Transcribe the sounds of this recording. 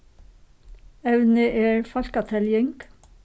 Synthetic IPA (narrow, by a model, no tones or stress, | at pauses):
ɛʋnəʔeːɹfɑʃkɑt̪ʰɛljɪŋɡ